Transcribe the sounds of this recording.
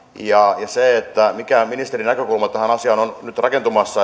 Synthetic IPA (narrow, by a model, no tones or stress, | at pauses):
jɑjɑseet̪ːæmikæminist̪erinækøkulmɑt̪æhænɑsiɑnonnyt̪rɑke̞nt̪umɑsːɑ